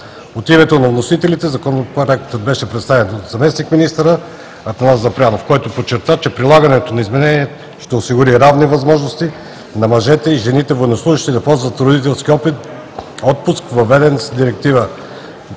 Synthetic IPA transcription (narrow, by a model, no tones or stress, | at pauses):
ot̪imɛt̪onɐvnosit̪ɛlit̪ɛzɐkɔnopɾoɾɛkt̪əd̪̚bɛʃɛpɾɛt̪st̪avɛnot̪zɐmɛsnikminist̪əɾə | ɐt̪ɛnazɐpɾʲanofkɔjt̪opot͡ʃːɛɾt̪at͡ʃɛpɾilˠaɡɐnɛt̪onɐizmɛnɛniɛ | ʃt̪ɛosiɡʊɾiɾavnivɐzmɔʒnost̪i | nɐmɐʒɛt̪ɛiʒɛnit̪ɛvojnoslˠuʒiʃt̪id̪ɐpɔzvɐt̪vɾod̪it̪ɛlˠsk̟iɔpit̪ | ɔt̪̚pʊskvɐvɛd̪ɛnsd̪iɾɛk̚t̪ivə